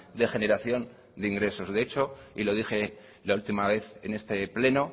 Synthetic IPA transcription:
d̪e̞xe̞ne̞ɾaθjo̞n | d̪eiŋɡɾe̞so̞zðeet͡ʃo̞ilo̞ð̞ixe̞ | lault̪imaβ̞e̞θene̞st̪e̞ple̞no̞

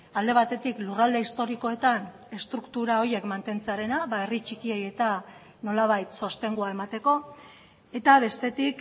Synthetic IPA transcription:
ald̪e̞βat̪e̞t̪iklurald̪e̞ist̪o̞ɾiko̞e̞t̪an | e̞st̪ɾukt̪uɾao̞ɾje̞kmant̪e̞nt͡seaɾe̞naβae̞rit͡ʃikieje̞t̪a | no̞laβajt̪so̞st̪e̞ŋɡuae̞mat̪e̞ko̞ | e̞t̪aβe̞st̪e̞t̪ik

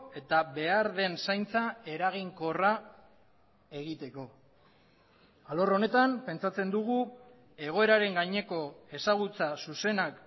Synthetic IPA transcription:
e̞t̪aβe̞aɾðe̞nsajnt͡sae̞ɾaɣ̞iŋko̞ra | e̞ɣit̪e̞ko̞ | alo̞ro̞ne̞t̪ampe̞nt͡sat͡se̞nd̪uɣ̞u | e̞ɣ̞o̞e̞ɾaɾe̞ŋɡaɲe̞ko̞e̞saɣ̞ut͡sasuse̞nak

